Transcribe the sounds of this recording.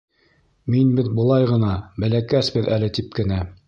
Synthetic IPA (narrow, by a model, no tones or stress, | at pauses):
minbɘðbɤ̆lˠɑjʁɤ̆nɑbælækæsbɘðælɘt̪ip̚kɘ̆næ